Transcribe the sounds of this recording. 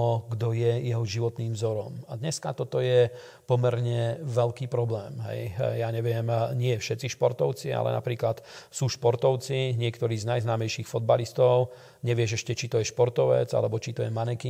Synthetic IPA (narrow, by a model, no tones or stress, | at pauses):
ɔɡd̪ɔjɛjɛɦɔʒiʋɔt̪niːmvzɔɾɔmad̪ɲɛskat̪ɔt̪ɔjɛ | pɔmɛɾɲɛʋɛʎkiːpɾɔblɛːmɦɛ̰jjaːɲɛʋɪɛmɲɪɛfʃɛt͡siʃpɔɾt̪ɔʊt͡sia̰lɛ̰na̰pɾiːklat̪suːʃpɔɾt̪ɔʊt͡siɲɪɛkt̪ɔɾiːznajznaːmɛjʃiːxfɔd̪̚balist̪ɔʊ | ɲɛʋɪɛʃɛʃcɛt͡ʃit̪ɔjɛʃpɔɾt̪ɔʋɛ̰d͡za̰lɛbɔt͡ʃit̪ɔjɛmanɛki